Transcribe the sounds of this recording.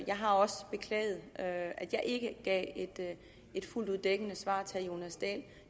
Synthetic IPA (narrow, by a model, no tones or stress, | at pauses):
jɑ̈ɪɦɑ̈ɒ̽səb̥e̝kʰlɛ̰ːɪð̩ˠøæd̥jɑ̈ɪʔe̝ɡ̥əɡ̥ɛ̰ːed̥ | e̝d̥fulduðˠd̥eɡ̥ənəsʋɑ̰̈ːt͡sʰejo̝næsd̥ɛ̰ːl